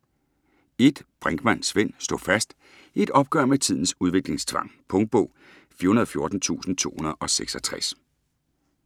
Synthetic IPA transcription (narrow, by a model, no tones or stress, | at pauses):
e̝d̥b̥ʁaŋɡ̥mæn̰sʋen̰sd̥ofæsd̥ | ie̝d̥ɒ̽b̥ɡ̥ɶɐmet͡sʰið̰ˠn̩suðˠʋe̝ɡ̥le̝ŋst͡sʰʋɑ̈ŋ̰pʰɔ̽ŋd̥̚b̥ɔ̽ʊ̰ | fiɐunɐð̩ˠfjo̝ɐd̥n̩t͡sʰṵːsn̩t͡sʰo̝̰ːhunɐðˠɒ̽seɡ̥sɒ̽t͡sʰʁas